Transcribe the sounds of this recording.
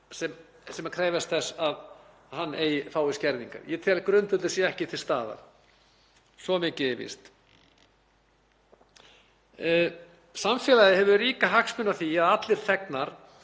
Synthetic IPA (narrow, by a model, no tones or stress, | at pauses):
sɛm | sɛmakʰɾeːjvast̪θɛsːað | hanːʔḛːjɪfaːwɪscɛɾðiŋka̰ɾjɛt̪ʰɛlkɾʏnt̪ʏlɛsjɛɛhcɪθʰɪ̥st̪aːða̰ɾ̥ | svɔmɪcɪɪvɪ̰st̪ | samfɛːlaðɪhɛvʏɾiːkaɦaksmʏnːaθiaðat̪lɪɾ̥θɛknaɾ̥